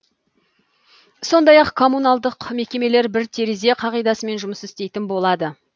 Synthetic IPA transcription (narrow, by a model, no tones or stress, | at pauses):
so̞nd̪ɑjɑqkʰo̞munalˠd̪əqme̞kʲe̞me̞le̞ɾbɪɾt̪ʰe̞ɾeze̞qʰɑʁijd̪ɑsəme̞nʒʊməsɪst̪e̞jt̪ɪnbo̞lˠɑd̪ə